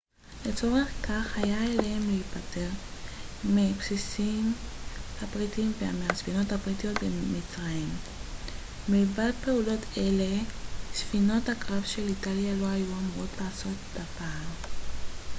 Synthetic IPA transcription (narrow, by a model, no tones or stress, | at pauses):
le̞t͡so̞ʁe̞χkaχhajaelehemliipate̞ʁ | mipsisimhapʁitimveameasfino̞thapʁitijo̞t̚bemit͡sʁaim | ilvad̚pe̞ulo̞tʰe̞le̞sfino̞thakʁavʃe̞litaljalo̞ajuamuʁotlaːso̞tdapaːl